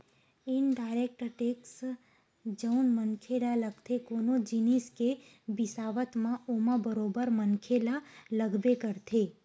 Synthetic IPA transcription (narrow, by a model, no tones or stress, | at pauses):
ɪnɖaːɪɾek̚ʈəʈeːks | d͡ʒəʊnmənkʰelaləɡt̪ʰekoːnod͡ʒiniske | bɪsaːʋət̪mãoːmãbəɾoːbəɾmənkʰelaləɡbekəɾt̪ʰe